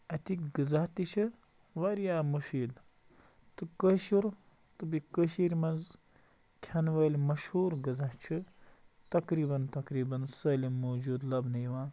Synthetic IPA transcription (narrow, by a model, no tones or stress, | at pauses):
ɐt̪ikɡɨzɐht̪it͡ʃʰɨ | ʋaɾjaːmufiːd̪ | t̪ɨkəʃuɾ | t̪ɨbikəʃiːɾʲmɐnz | kʲʰɐnʋɐːlʲmɐʃhuːɾɡɨzɐht͡ʃʰɨ | t̪ɐkɾiːbɐnt̪ɐkɾiːbɐnsɐːlʲimːoːd͡ʒuːd̪lɐbnɐjʋãː